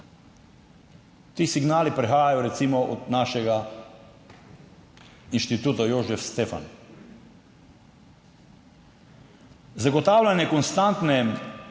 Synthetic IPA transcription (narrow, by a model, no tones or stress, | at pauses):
t̪iːsiɡnaːlipɾɛxaːjajɔɾɛt̪simɔʔɔ̰d̪naʃɛɡa | inʃt̪it̪uːt̪ajoʒɛfst̪eːfa̰n | zaɡɔt̪aːwlʲanjɛkɔnst̪ant̪nɛ